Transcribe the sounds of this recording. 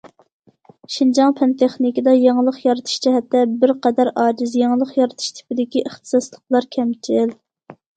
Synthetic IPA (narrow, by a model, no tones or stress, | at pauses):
ʃind͡ʒɑŋpʰɛnt̪ʰeχnɪkʲid̪ɑjɑŋlˠəχjɑɾɨt̪ʰɨ̥ʃt͡ʃʰɛɦɛt̪ːɛbɪɾqɛd̪æɾɑːd͡ʒɪzjɑŋlˠəχjɑɾɨt̪ʰɨ̥ʃt̪ʰɪ̥pɪd̪ɪkʲiʔəχt̪ʰɨ̥sɑslˠəqlˠɑɾkʲʰɛmt͡ʃʰɪl